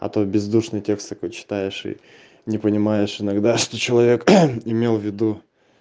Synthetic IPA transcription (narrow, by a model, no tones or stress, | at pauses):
ɐ̰t̪obʲɪzd̪uʂnɨjtʲe̞kst̪ɐko̞jt͡ɕɪ̥t̪ajɪʂḭ | nʲɪpənʲɪmajɪʂɪnɐɡd̪aʂt̪ot͡ɕɪlˠɐvʲe̞kɪmʲe̞lˠvʲɪd̪u